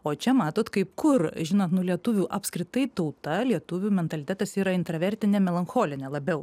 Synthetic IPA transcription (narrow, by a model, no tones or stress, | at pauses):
oːt͡ʃʲɛmɑːt̪oːt̪kɐɪp̚kʊrʒʲɪnoːt̪nʊlʲiɛt̪ʊʋʲuːʔɐpʲskɾʲɪt̪ɐɪt̪ɐʊt̪ɐlʲiɛt̪ʊʋʲuːmʲɛnt̪ɐlʲɪt̪ʲæːt̪ɐsiːɾɐɪnt̪ɾɐʋʲɛɾʲt̪ʲɪnʲeːmʲɛlˠɐnxoːlʲɪnʲeːlˠɐbʲɛʊ